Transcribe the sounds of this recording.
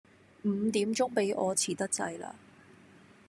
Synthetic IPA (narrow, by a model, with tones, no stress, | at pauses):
m̩ː˨˧t̪iː˨˥mt͡sʊ˥ŋpe˨˥jʔɔː˨˧t͡sʰiː˨˩t̪ɐ˥k̚t͡sɐ̰˧jla̰ː˧